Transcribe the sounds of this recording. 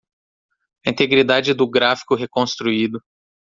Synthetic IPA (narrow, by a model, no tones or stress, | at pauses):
ĩt̪eɡɾid̪ad͡ʒɪd̪ʊɡɾafi̥kʊɦekõst̪ɾuid̪ʊ